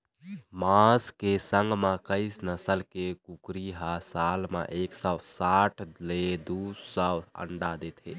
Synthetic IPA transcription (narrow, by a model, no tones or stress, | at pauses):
mãskesə̃ŋɡmakəɪsnəsəlkekukɾiɦasalmḛʔeksɔsaʈʰled̪usəwə̰ɳɖad̪et̪ɦḛ